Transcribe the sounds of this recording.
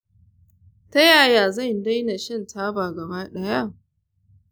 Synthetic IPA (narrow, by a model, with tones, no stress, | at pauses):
ta˦jaː˦˨jaː˨za˦˨nda˦jna˨ʃɪ˦ntʰaː˦baː˨ɡɐ˨baː˦ɗɐ˦ja˦˨